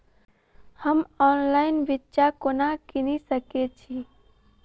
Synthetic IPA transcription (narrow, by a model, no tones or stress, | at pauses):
həmɔːnlaɪnbitːʃakonakinisəket͡ʃʰi